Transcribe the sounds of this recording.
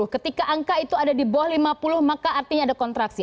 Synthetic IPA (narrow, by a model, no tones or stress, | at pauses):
ʊhkət̪ikaʔaŋkait̪uadadibɔhlimapulʊhmakaʔːrt̪iɲaːdakɔnt̪ɾaksi